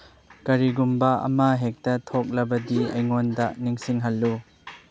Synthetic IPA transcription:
kɐɾiɡumbɐɐ̰maɦek̚tɐtʰok̚lɐbɐdiɐjŋondɐniŋsiŋɦɐlːu

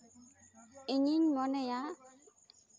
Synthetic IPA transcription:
iɲiɲmɔnɛja

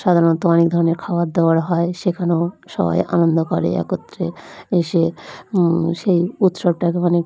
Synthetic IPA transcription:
ʃad̪ʱaɾont̪oɔnek̚d̪ʱɔɾoneɾkʰaoat̪d̪eoaɾɦɔeʃekʰaneoʃɔ̰ba̰jʔa̰nond̪okɔɾḛɛ̰kot̪ːɾeeʃe | ʃejut̪ʃob̚ʈakeane

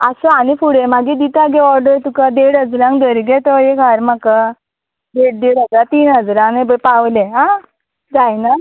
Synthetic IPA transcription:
asɔanifuɽemaɡid̪it̪aɡɛɔɾɖəɾt̪ukad̪eɽɦəd͡zɾãŋk̚d̪əɾɡɛt̪ɔeɡʱaɾmaka | d̪eɽ̚d̪eɽəd͡zɾat̪iːnɦəd͡zɾãnebəpaʋlẽɦã | d͡zajna

